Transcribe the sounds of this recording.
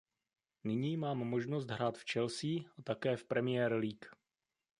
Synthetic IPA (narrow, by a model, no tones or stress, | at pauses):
nɪɲiːmaːmːo̞ʒno̞st̪ɦɾaːt̪ft͡ʃɛlsiːʔat̪akɛːfpɾɛmɪjɛːɾliːk